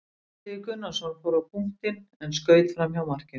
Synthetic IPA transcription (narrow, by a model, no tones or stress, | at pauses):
t̪ɪːkʏnasaɾfoːwɾapʰuŋ̥t̪ɪnɛnskœːɥt̪fɾamjawmar̥cɪn